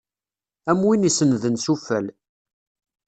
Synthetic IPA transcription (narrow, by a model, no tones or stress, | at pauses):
æmwinisənðənsufæl